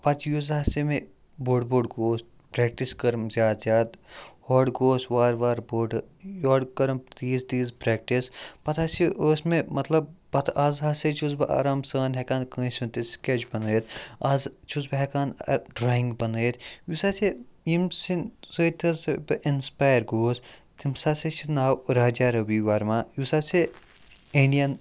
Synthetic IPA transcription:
pɐt̪ʰjuzaːsemẽ | boːɖboːɖɡoːsʈ | pɾɛːk̚ʈiskɐɾmzjaːd̪zjaːd̪hoːɖɡoːsʋaːɾʋaːɾboːɖ | joːɖkɐɾmpt̪iːzd̪iːzpɾɛːk̚ʈispɐt̪ʰaːsiʔosmẽmɐt̪lɐb̚pɐt̪ʰaːzɦaːset͡ʃuːzbɨʔa̰ːɾaːmsəːnɦɛkaːnkə̃ːsũːnt̪isket͡ʃbɐnəet̪aːzt͡ʃʰuzbɦɛkaːnɖɾaːĩŋɡbɐnɐet̪ʰjusaːsejimsinsojt̪ʰɐsbʔinspaːjəɾɡoːst̪ʰimsaːset͡ʃʰinaːwɾaːd͡ʒaːɾɐʋiʋaːɾmaːjusaːse | iɳɖijɐn

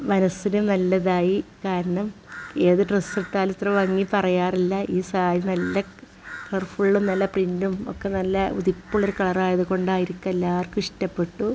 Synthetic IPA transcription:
mɐnɐsːinunɐlːɐðaːjikaːɾɐɳɐme̞ːðɨɖresːiʈːaːlut̪rɐʋɐŋːipɐrɐjaːrilːɐʔiːsaːjɐnɐlːɐ | pɐrfuɭɭumnɐlːɐprindumo̰kːenɐlːɐṵðipːuɭoɾukɐɭɐraːjɐðuko̞ɳɖaːjiɾikʲːɐelːaːrkːumiʂtɐpːe̞ʈːu

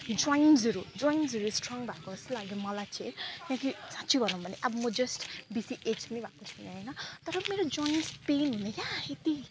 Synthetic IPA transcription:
d͡zɔjnsʌɾud͡zwɔjnsʌɾusʈrʌŋbʱakoʌst̪olaɡjomʌlajt͡sʰiẽknãkisãtːt͡sʰibʱʌnũbʱʌneʔʌbʌmʌd͡zʌsʈbisiʔet͡ʃpʌnibʱakot͡sʰʌneɦʌjnʌt̪ʌɾʌmeɾod͡zɔjnspenɦunekjaet̪i

